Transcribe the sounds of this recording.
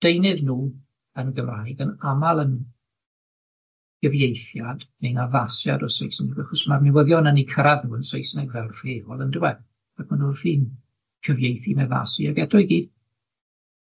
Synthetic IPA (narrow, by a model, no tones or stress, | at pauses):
d̥ejnɨðnuː | ənɡəmrajɡənamalˠən | ɡ̥əvjejθjad̥menavasja̰dɔsojsnɛɡaχɔsmarmɪwəðjɔnənikʰəɾaðuːənsojsnɛɡvɛlˠr̥iːɔlˠəndɪwɛ | ak̚ʰmanulfiːn | kʰəvjejθimɛva̰siaɡɛdɔjɡiːd̥